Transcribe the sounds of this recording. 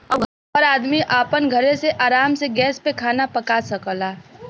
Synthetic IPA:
ɔɾaːd̪miʔaːpənɡʱəɾeseʔaːɾaːmseɡɛːspekʰaːnapəkasəklaː

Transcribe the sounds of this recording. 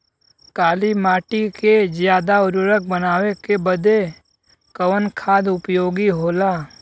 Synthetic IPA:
kaːlimaːʈikezjaːd̪aʊɾuɾək̚bənaːwekebəd̪ʱe | kəwənkʰaːd̪ʊpjoːɡiɦoːlaː

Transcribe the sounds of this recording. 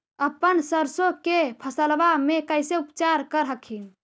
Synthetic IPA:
əpːənsəɾsokepʰəsəlʋamekəjseupt͡ʃaɾkəɾɦəkʰin

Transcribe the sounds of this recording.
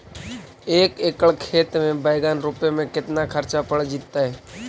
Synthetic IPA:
eːkeːkəɭkʰeːt̪mẽbəɪɡaːnɾuːpemẽkɪt̪nakʰəɾt͡ʃapəɽd͡ʒit̪ːaɦɛː

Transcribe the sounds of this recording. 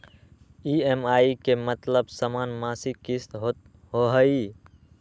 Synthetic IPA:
iemaikemət̪ləbsəmaːnmaːsikist̪ɦo | ɦoɦəi

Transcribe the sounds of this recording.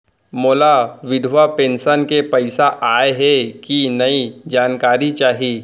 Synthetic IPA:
moːlaʋɪd̪ʱʋapẽːnʃənkepɐɪsaʔaːeɦɛkinɐid͡ʒaːnkaːɾit͡ʃaːɦiiː

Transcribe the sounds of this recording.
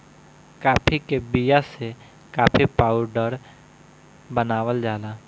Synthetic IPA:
kaːpʰikebijase | kaːpʰipaːʊɖəɾ | bənaːʋəld͡ʒaːlaː

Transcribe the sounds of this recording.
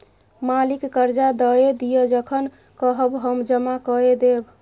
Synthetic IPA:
malikːəɾd͡ʒad̪əed̪ijəd͡ʒəkʰən | kəɦəbɦəmd͡ʒəmakəed̪eb

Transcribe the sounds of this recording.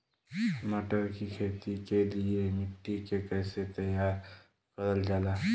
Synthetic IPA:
məʈəɾkikʰeːt̪ikeliemɪʈːikekɛːset̪əjaːɾ | kəɾəld͡ʒaːla

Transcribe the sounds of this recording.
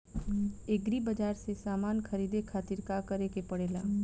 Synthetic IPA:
eɡɾibəd͡ʒaːɾsesaːmaːnkʰəɾiːd̪ekʰaːt̪ɪɾkakəɾekepɐɽeːlaː

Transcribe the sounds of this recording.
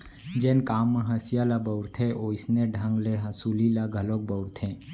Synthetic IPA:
d͡ʒenkamːəɦəsjalabəwɾt̪ʰeʔoisneɖʱãŋɡleɦəsulilaɡʱəlok̚bəwɾt̪ʰẽ

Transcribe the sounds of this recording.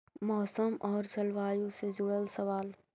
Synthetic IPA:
mɔːsəmʔɔːɾt͡ʃɐlʋaːjũsed͡ʒʊɽəlsəʋaːl

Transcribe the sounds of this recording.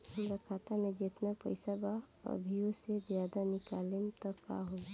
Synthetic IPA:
həmɾakʰaːt̪amẽd͡ʒɪt̪napə̰ɪsaba | ə̰bʱijosezjaːd̪anɪkaːlɪmt̪əkːa̰ɦoːɡa

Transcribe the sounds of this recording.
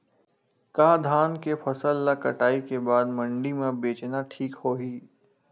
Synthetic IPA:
kaːd̪ʱaːnkepʰɐsəlːakɐʈaːikebaːd̪mɐ̃ɳɖimẽbeːt͡ʃnaʈʰiːkhoːɦiː

